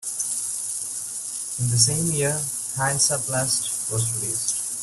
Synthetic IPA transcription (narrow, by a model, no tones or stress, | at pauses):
ɪ̃nd̪əs̬ẽːmjiə | hãɪ̃nsəplæsʈ | ʋɔzɾɪliːsʈ